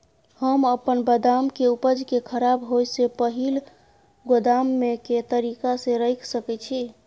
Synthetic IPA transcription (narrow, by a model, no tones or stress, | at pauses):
həməpənbəd̪amkeupəd͡ʒkekʰəɾabɦojsepəɦil | ɡod̪amːeket̪əɾikasẽɾəjkʰsəkɛt͡ʃʰi